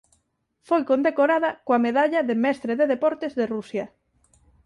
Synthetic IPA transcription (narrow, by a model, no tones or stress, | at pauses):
fojkond̪ekoɾaðɐkoameðaʎɐðemɛst̪ɾeðeðepɔɾt̪ezðerusjɐ